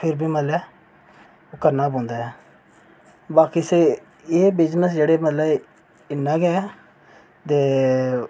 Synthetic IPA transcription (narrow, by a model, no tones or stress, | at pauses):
pʰɪɾbʱiːməlɛː | okəɾnaːbõːnd̪aːɦɛː | baːkise | eːbɪd͡ʒnəsd͡ʒeːɽeːmət̪ləb | ɪnːãːɡɛː | t̪eː